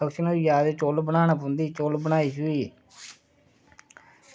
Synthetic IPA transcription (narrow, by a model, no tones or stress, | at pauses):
əkʃənoːjaːd̪et͡ʃoːlbənaːnaːpʊnd̪iːt͡ʃoːlbənaːiːsuːiː